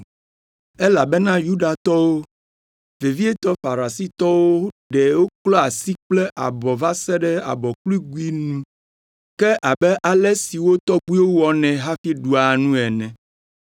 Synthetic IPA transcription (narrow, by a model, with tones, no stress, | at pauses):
ɛ˦la˨bɛ˦nã˦ju˦ɖa˨t̪ɔ˦wo˦ | ve˨vi˦ɛ˦t̪ɔ˦fa˨ɾa˨si˦t̪ɔ˦wo˦ɖɛ˨wo˦klɔ˦a˨si˦k͡plɛ˦ʔa̰˨bɔ˨va˦sɛ˦ɖɛ˦a̰˨bɔ˨kli˦ɡu˦i˦nũ˦ | kɛ˦ʔa˨bɛ˦ʔa˨lɛ˦si˨wo˦t̪ɔ˦ɡ͡bu˦i˦wo˦wɔ˨nɛ̃˨ɦa˦fi˦ɖu˨a˨nũ˦ɛ˨nɛ̃˨